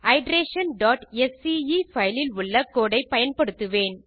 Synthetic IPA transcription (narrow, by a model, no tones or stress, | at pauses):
ɐɪɖɾeːʂɐnɖaːʈɛsiifɐjlɪlʊɭːɐkoːɽɐɪpɐjɐnpɐɽɯt̪ːɯʋeːn